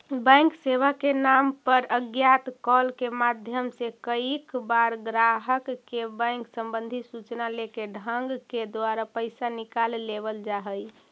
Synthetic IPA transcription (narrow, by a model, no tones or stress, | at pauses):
bɛ̃ŋkseʋakenampəɾəɡjat̪kɔlkemad̪ʱjəmsekəikbaɾɡɾaɦəkːebɛ̃ŋksəmbə̃nd̪ʱisut͡ʃnalekeɖʱəŋɡked̪waɾapəɪsanikalːebəld͡ʒaɦəj